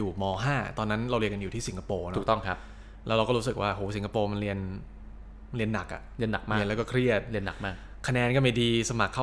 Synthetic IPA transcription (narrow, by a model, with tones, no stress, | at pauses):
uː˨˩mɔː˧ɦaː˥˩t̪ɔː˧nːa˦˥nɾa˧wɾi˧ənŋka˧njuː˨˩iː˥˩si˩˦ŋka˧poː˧˨n˦u˨˩t̪ɔ˥˩ŋkʰa˦p | lɛ˦˥ɾa˧wkɔː˥˩ɾu˦˥sɯ˨˩k̚waː˥˩hoː˩˦si˩˦ŋkʰa˧poː˧ma˧nɾi˧ən˧ | li˧ənːa˨˩k̚ʔa̰˨˩ʔli˧ənːa˨˩k̚maː˥˧lɛː˦˥wkɔː˥˩kʰɾi˥˩ət̪̚li˧nːa̰˨˩k̚maː˥˩k̚ | kʰa˧nɛː˧nkɔː˥˩ma˨˩jdiː˧sa˧ma˨˩kʰːa˥˩